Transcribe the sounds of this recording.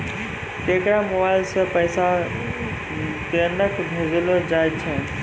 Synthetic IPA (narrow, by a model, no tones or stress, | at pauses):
t̪eːkɾamʊʋalsə̃pəsa | pəɾnəkʰbʱezlod͡ʒaːjt͡ʃʰɛ